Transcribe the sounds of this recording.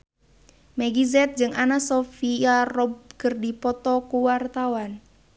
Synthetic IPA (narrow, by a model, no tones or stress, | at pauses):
mɛɡizɛt̪̚d͡ʒɨŋanasofiarɔb̚kərdipɔt̪ɔkuwart̪awan